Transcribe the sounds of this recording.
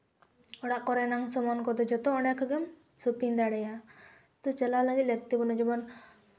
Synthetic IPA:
ɔɽaʔkɔɾɛnaŋsɔmɔnkɔd̪ɔd͡ʒɔt̪ɔɔɳɖɛkʰɡɛm | supind̪aɽɛja | t̪ɔt͡ʃɛlalaɡilɛk̚t̪ibɔnɔd͡ʒɔbɔn

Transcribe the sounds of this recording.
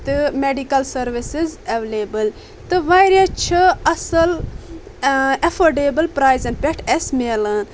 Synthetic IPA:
t̪ɨmeɖikɐlsɐɾʋisizɐʋelebɨl | t̪ɨʋajɾjɐt͡ʃʰɨɐsɐl | ɐfoɾɖeːbɨlpɾaːjzɐnpʲeʈʰesmelɐn

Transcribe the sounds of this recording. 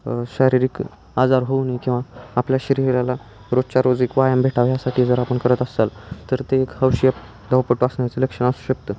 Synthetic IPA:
ɕaɾiɾiːk | ad͡zaɾɦonikĩw̃ʋaːpljaɕiɾiʋljala | ɾod͡zt͡ɕaɾod͡zikʋajãmbʱeʈʰaʋjasaʈʰiːd͡zəɾapəɳkəɾət̪əsalt̪əɾt̪eːkhəwɕijəp | d̪ʱəwpəʈːuəsɳjat͡seləkʂəɳasu̥ɕək̚t̪ə

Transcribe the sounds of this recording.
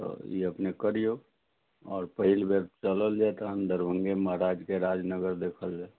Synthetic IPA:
t̪o̰jeəpnekəɾijo | ɔːɾpəɦɪlbeɾt͡ʃələld͡ʒat̪aənd̪əɾbə̃ŋɡeməɦɾaːd͡ʒkeɾaːd͡ʒnəɡəɾd̪eːkʰəld͡ʒaɛ

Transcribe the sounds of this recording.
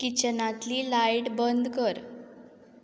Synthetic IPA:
kit͡ɕənat̪liːlajʈbənd̪kəɾ

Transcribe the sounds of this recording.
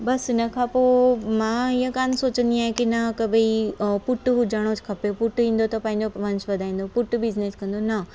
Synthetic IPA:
bɐsnɐkʰaːpomãːɪɦə̃kaːnsoːt͡ɕə̃nd̪iaːɦẽkinɐkɐbʱeipʊʈɦud͡ʑaːɽ̃ot͡ɕkʰɐpepʊʈʋĩːn̆d̪ot̪ɐpɐ̃ɦɪ̃ɲd͡ʑoʋɐ̃ɲsʋɐd̪ʱaːĩːn̆d̪opʊʈbɪzneskɐ̃nd̪onɐ

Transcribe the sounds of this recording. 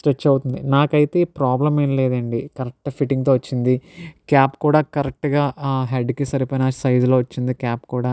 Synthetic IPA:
sʈɾet͡ʃːɐwut̪und̪inaːkɐjit̪e̞ːpɾaːblɐmeːnleːd̪ɐɳɖikɐɾɐk̚ʈpʰiʈiŋɡt̪o̞ːʋɐt͡ʃːind̪ikjaːpkuːɽaːkɐɾɐk̚ʈɡaːɦeɖkisɐɾipoːjinɐsɐjd͡ʒlo̞ːʋɐt͡ʃːind̪ikaːpkuːɽaː

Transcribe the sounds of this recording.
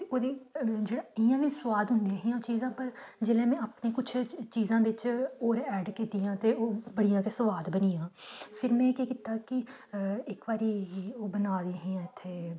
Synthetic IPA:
t̪eoːd̪iːd͡ʒeːɽaːɪjãːʋĩsʋaːd̪ɦʊ̃nd̪iaɦĩːãoːt͡ʃiːzãːpəɾd͡ʒeːlẽːmɛ̃ːaːpnẽːkʊt͡ʃʰt͡ʃiːzãːʋɪt͡ʃoːɾɛːɖkit̪iːãːt̪eːoːbəɽijãːt̪eːsəʋaːd̪bəniːãːpʰɪɾmɛ̃ːkeːkɪt̪aːkɪ | ɪkbaːɾiːɦːoːbənaːd̪iːɦĩːãːɪt̪ʰːeː

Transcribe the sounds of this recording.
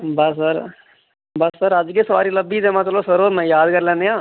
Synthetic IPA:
bɐsəɾ | bɐsːəɾɐd͡ʒkesɐʋa̰ːɾiləbːid̪emãt̪losɐɾoːmɛ̃jaːd̪kɐɾlẽːnejãː

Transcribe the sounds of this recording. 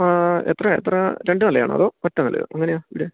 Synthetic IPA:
aet̪rɐḛt̪rɐɾeɳɖɨnɐlːɐja̰ːɳɨ̰ɐ̰ðoːkɐtːɐnɐlːɐ̰jo̰ʔɐŋːɐnejaːiʋiɽe

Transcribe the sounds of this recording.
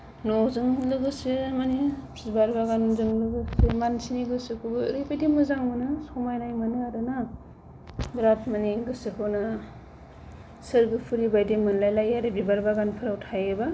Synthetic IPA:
nɔzɯŋlɯɡɯsɯmanipʰbaɾbaɡannzɯŋlɯɡɯsɯmansiniɡɯsɯkʰubɯɾɯbajdimɯzaŋmɯnɯsɔmajnajmanɯaɾɯnɯ | bɾat̚maniɡɯsɯkʰɯnɯ | sɯɾɡɯpʰɯɾibajdimɯnlajlajaɾebibaɾbaɡanpʰɯɾawtʰajɯba

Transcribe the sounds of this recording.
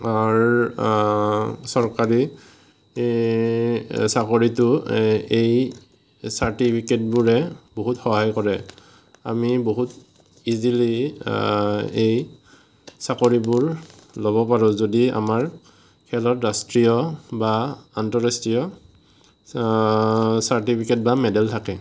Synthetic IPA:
aɹ | sɔɹkaɹi | sakoɹitʊej | saɹtipʰiket̚buɹɛboɦutxɔɦajkɔɹɛ | a̰miboɦut | izili | ej | sakoɹibʊɹlobɔpaɹɔ̃zodia̰maɹ | kʰɛlɔtɹastɹijɔbaantɔɹastɹijɔ | saɹtipʰiket̚bamɛdɛltʰakɛ

